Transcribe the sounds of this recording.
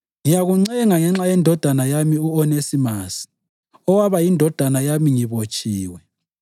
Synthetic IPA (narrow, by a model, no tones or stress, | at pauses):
ŋijaɣuŋ͡ǀɛɣɛŋaŋɛŋ͡ǁajɛndʱɔd̥ʱanajamiuɔnesimasi̥ | ɔwaβajindʱɔd̥ʱanajamiŋiβot͡ʃʼiːwɛ